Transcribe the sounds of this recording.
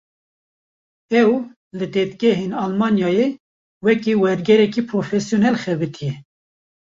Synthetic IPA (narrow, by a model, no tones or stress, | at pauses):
ɛw | lɨd̪eːt̪ɡɛɦeːnɑlmɑːnjɑːje | wɛkiwɛɾɡɛɾɛkiːpʰɾoːfɛsjonɛlxɛbɨt̪ʰijɛ